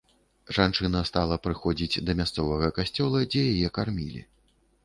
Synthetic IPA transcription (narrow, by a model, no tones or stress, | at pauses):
ʐant͡ʂɨnɐst̪alˠɐpɾɨxɔd͡zʲid͡zʲd̪ɐmʲast̪sɔvɐɣɐkasʲt͡sʲɔlˠɐd͡zʲɛjajɛkarmʲilʲḭ